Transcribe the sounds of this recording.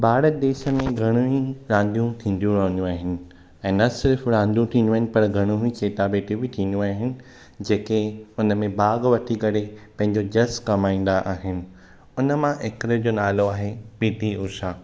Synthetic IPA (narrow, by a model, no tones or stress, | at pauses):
baːɽəd̪eːʃəmẽɡʱɐɽ̃uiɾãːn̆d̪ijũt̪ʰĩːn̆d̪ijũɾɐɦnũaːɦɪnɪ̆ | ɛ̃ːnɐsɪɾfɾãːnd̪jũt̪ʰĩːnd̪uaːɦɪnɪ̆pɐɾɡʱɐɽ̃ũɦĩt͡ɕeːt̪abeːʈʰibɪt̪ʰĩːn̆d̪ũaːɦɪnɪ̆ | d͡ʑeːkeʊnəmẽbaːɡʋɐʈʰikɐɾepɐ̃ɦɪ̃ɲ̆d͡ʑod͡ʑɐskɐmaːĩːn̆d̪aʔaːɦɪnɪ̆ | ʊnə̆mãʔɪkɾəd͡ʑoːnaːloaːɦepiːʈ̪ioːʃaː